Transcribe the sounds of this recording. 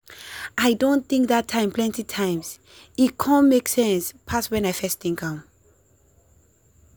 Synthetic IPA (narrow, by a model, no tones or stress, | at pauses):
ʔajdõnθĩŋk̚ðatʰːãɪ̃mpʰlɛ̃ntitʰãɪ̃ms | ikʰɔ̃nmeksɛ̃nspʰaswɛ̃najfɛstĩŋkãm